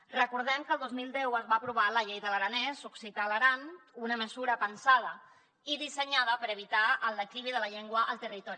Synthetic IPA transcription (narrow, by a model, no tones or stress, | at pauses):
rəkuɾð̞ɛmkəːlˠd̪ozmilˠd̪ɛwəzβaəpɾuβ̞aləʎejðələɾənɛsuksit̪aləɾanunəməzuɾəpənsað̞ə | iðisəɲaðəpəɾəβ̞it̪aələkɾiβiðələʎeŋɡwəʔəlˠt̪ərit̪ɔɾi